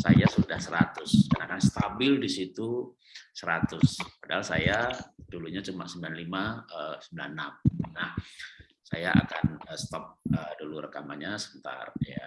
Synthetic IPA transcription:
sa̰jasudahsəɾat̪ʊskənakanst̪abɪldisit̪u | səɾat̪ʊspadahalsajad̥uluɲat͡ʃumaʔsəmbilanlimaəsəmbila̰nːamnah | sajaʔa̰ka̰nəst̪ɔp̚ədulurəkamaɲasəkənt̪a̰rja̰

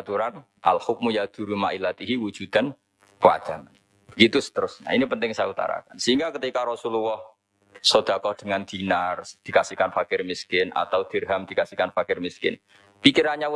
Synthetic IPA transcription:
t̪uɾan | ʔa̰lhʊk̚mujad̪̥ṳɾumaʔilat̪iɦiwu̥d͡ʒ̥ud̪̥a̤n | kəwa̰d̪̥aŋan | bəɡit̪usə̥t̪əɾʊsɲa̰inipənt̪ɪŋsajaut̪a̰ɾa̰kansəiŋɡakət̪ikaɾɔsuluwɔh | sod̪̥a̤kɔhd̪̥əŋand̪̥inard̪̥i̤kasikanfakɪrmiskɪnʔa̰t̪awd̪̥ərɦamd̥̪i̤kasikanfakɪrmiskɪ̰n | pikiɾaɲa

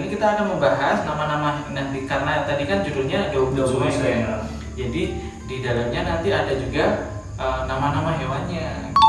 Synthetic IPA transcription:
nikit̪aːkanməmbaɦasnamanamanaikarənat̪adikand͡ʒuɾuɲadoumdasuɦasa | d͡ʒadi | didalamɲanant̪iadad͡ʒuɡa | ʔəmnamanamaɦewanɲa

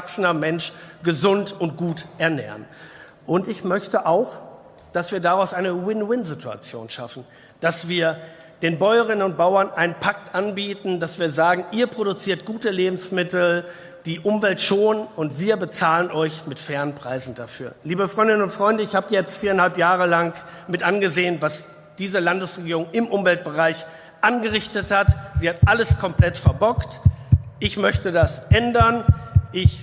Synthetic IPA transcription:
aksənɐmɛnʃɡ̥əzʊntʊntɡ̥uːtʔɛɐnɛ̰ːɐən | ʔʊntɪçmœçtəʔaʊx | d̥asv̥iːɐdaʁaʊsʔaɪnəwɪnwɪnzɪtua̰t͡sjo̰ːnʃa̰fn̩ | d̥asv̥iːɐ | d̥eːnbɔʏəʁ̞ɪnənʊnt̚b̥aʊɐnʔaɪnənpʰak̚tʔanbiːtn̩dasv̥iːɐzaːɡŋ̩ʔiːɐpʁ̥odut͡siːɐtɡ̥uːtəleːbm̩smɪtl̩ | d̥iːʔʊmvɛltʃoːnʊntv̥iːɐbət͡saːlənʔɔʏçmɪtfɛːʁənpʁ̥aɪzn̩dafyːɐliːbəfʁ̥ɔʏndɪnənʊntfʁ̥ɔʏndəɪçhaːbəjɛt͡stfiːɐanhalpjaːʁəlaŋk | mɪtʔanɡəzeːənvas | d̥iːzəlandəsʁeɡiːʁ̞ʊŋɪmʔʊmvɛlt̚b̥əʁaɪç | ʔanɡəʁɪçtəthatz̥iːhatʔaləskʰɔmpl̥ɛtfɛɐbɔktʔɪçmœçtədasʔɛndɐnʔɪç

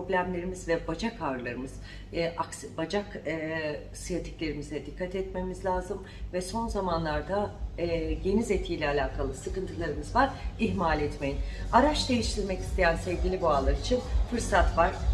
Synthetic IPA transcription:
po̞blʲæmlʲe̞ɾimizvɛbad͡ʒakʰaɾlˠaɾɯmɯz̥ | ʔaksbad͡ʒakː | sijat̪ʰi̥clʲe̞ɾimizɛd̪ikʰːat̪ɛt̪me̞mizlʲaːzɯm | vɛso̞nzamanlˠaɾd̪a | ɟe̞nizet̪ʰiːlʲɛalʲaːkʰalˠɯsɯkɯnt̪ʰɯlˠaɾɯmɯzvaɾiçmalʲɛt̪mejinaɾat͡ʃd̪e̞jiʃt̪ʰiɾmɛci̥st̪ʰe̞jænsɛvɟʲilʲiboalˠaɾit͡ʃʰinfɯɾsat̪vaɾ̥

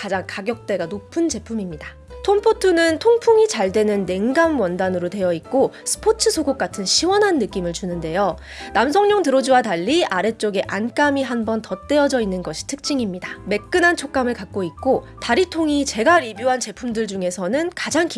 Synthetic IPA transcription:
kad͡ʑaŋkaɡjʌk̚t͈e̞ɡanopʰɯnd͡ʑe̞pʰumimɲida | tʰompʰotʰunɯntʰoŋpʰuŋit͡ɕaɭdwe̞nɯnːe̞ŋɡamwʌndanɯɾotwe̞jʌik̚k͈osʰɯ̥pʰot͡ɕʰɯsʰoɡok͈atʰɯnɕʰiwʌnɦanːɯk͈imɯɭt͡ɕunɯnde̞jo | namsʰʌŋɲʌŋtɯɾʌd͡ʑuwadaʎːiaɾe̞t͡ɕ͈oɡe̞ʔank͈amiɦanbʌntʌt͈e̞ʌd͡ʑʌinːɯnɡʌɕʰi̥tʰɯ̥k̚t͡ɕ͈iŋimɲidame̞k̚k͈ɯnant͡ɕʰok͈̚amɯɭkak̚k͈oik̚k͈o | taɾitʰoŋit͡ɕe̞ɡaɾibjuɦant͡ɕe̞pʰumdɯɭd͡ʑuŋe̞sʰʌnɯnkad͡ʑaŋki

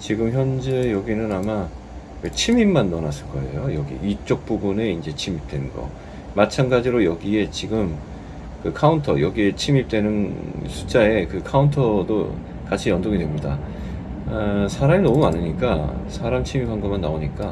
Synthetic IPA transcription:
t͡ɕiɡɯmçjʌnd͡ʑejʌɡinɯnama | kɯt͡ɕʰimimmːanːʌnas͈ɯ̥ɭk͈ʌe̞̰jojʌɡḭit͡ɕ͈ok̚p͈ubune̞ind͡ʑe̞t͡ɕʰimip̚t͈we̞nɯnɡʌ̰ | mat͡ɕʰanɡad͡ʑiɾojʌɡie̞t͡ɕiɡɯm | kɯkʰauntʰʌ̰jʌɡie̞t͡ɕʰimip̚t͈we̞nɯnsʰu̥t͡ɕ͈ae̞kɯkʰauntʰʌdo | kat͡ɕʰijʌndoɡidwe̞mɲida | sʰaɾaminʌmumanɯɲik͈asʰaɾamt͡ɕʰimipanɡʌmanːaoɲik͈a

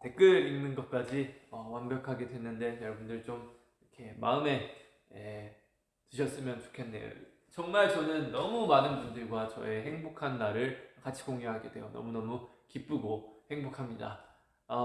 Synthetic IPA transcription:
te̞k͈ɯɾinnɯnɡʌt̚k͈ad͡ʑiʌwanbjʌkʰaɡe̞dwe̞nːɯnde̞jʌɭbundɯɭt͡ɕom | iɾʌkʰe̞ma̰ɯme̞ | e | tɯɕʰʌs͈ɯmjʌnt͡ɕo̥kʰe̞nːe̞̰jo̰ | t͡ɕʌŋmaɭt͡ɕʌnɯnːʌmumanɯnbundɯɭɡwat͡ɕʌ̰e̞he̞ŋbokʰanːaɾɯɭkat͡ɕʰi̥koŋɡeɦaɡe̞d̥we̞jo̰nʌ̰munʌmukip͈uɡohe̞ŋbokʰamɲida̰ | ʌ

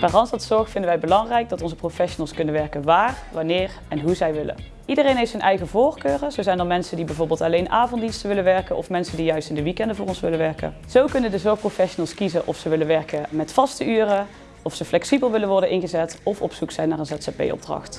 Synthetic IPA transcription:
b̥aːrɑnsɑtsɔɹxfɪndəʋɛjbəlɑŋrɛjɡ̚dɑtɔnzəprofɛʃonəlˠskɵnənʋɛɹkənʋaːrʋɑnɪːr | ɛnɦuzɛjʋɪlə̰n | ʔidərejnɦejftsənʔɛjɣəvoːrkøːrəzowzɛjndɑnmɛnsəndibɛjvoːɹbɪːlˠtɑlejnʔaːvɔntdinstəʋɪlənʋɛɹkənʔɔ̰fmɛnsəndijœɥstɪndəʋikɛndəvʊːrɔnsʋɪlənʋɛɹkə̰ | z̥owkɵnəndəzɔɹxprofɛʃonəlˠskizənʔɔ̰fsəʋɪlənʋɛɹkəmɛtfɑstəyːrə | ɔfsəflɛksibəlˠʋɪlənʋɔɹdənʔɪnɣəzɛtɔfɔpsuksɛjnaːrənzɛtsapḛjɔ̰b̚drɑ̰xt

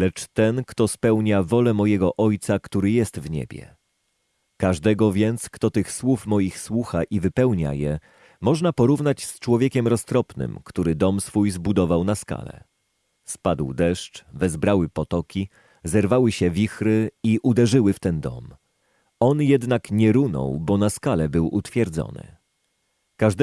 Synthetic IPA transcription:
lɛt͡ʂt̪ɛnkt̪ɔspɛwɲavɔlɛmɔjɛɡɔʔɔjt̪sakt̪uɾɘjɛst̪vɲɛ̰bʲjɛ̰ | kaʐd̪ɛɡɔvʲjɛnt̪skt̪ɔt̪ɘxswufmɔjixswuxaʔivɘpɛwɲa̰jɛ | mɔʐnapɔɾuvnat͡ɕst͡ʂwɔvʲjekʲɛmɾɔst̪ɾɔpnɘ̰mkt̪uɾɘd̪ɔmsfujzbud̪ɔvawnaska̰lɛ̰ | spad̪wd̪ɛʂt͡ʂvɛzbɾawɘpɔt̪ɔkʲi | zɛɾvawɘɕɛvʲixɾɘiʔud̪ɛʐɘwɘft̪ɛnd̪ɔ̰m | ɔnjɛd̪nakɲɛɾunɔ̰wbɔnaskalɛbɘwʔṵt̪fʲjɛɾd̪zɔ̰nɘ̰ | kaʐd̪

